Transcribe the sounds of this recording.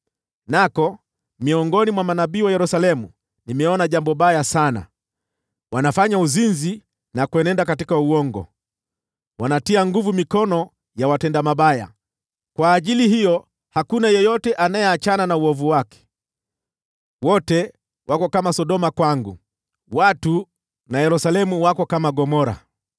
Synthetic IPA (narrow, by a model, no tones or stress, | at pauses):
nakɔ | miɔŋɡɔnimwamanaɓiːwajɛɾusalɛmu | nimɛɔnaʄambɔɓajasana̰ | wanafaɲauzinzi | nakwɛnɛndakatikauɔŋɡɔ̰ | wanatiaŋɡuvumikɔnɔ | jawatɛndamaɓaja̰ | kwaːʄilihijɔ | hakunajɔjɔtɛʔanajɛat͡ʃananauɔvuwakɛ̥ | wɔtɛ | wʔakɔkamasɔɗɔmakwaŋɡu | watu | najɛɾusalɛmuwakɔkamaɡɔmɔɾa̰